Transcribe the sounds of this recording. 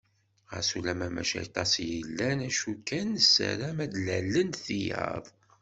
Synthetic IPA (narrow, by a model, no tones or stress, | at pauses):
ʁə̰sulæmæmæ̰ʃæ̰jt̪ˤɑsjəlːænæʃukːænsæ̰ɾæmæd̪lælːənθijɑ̰ðˤ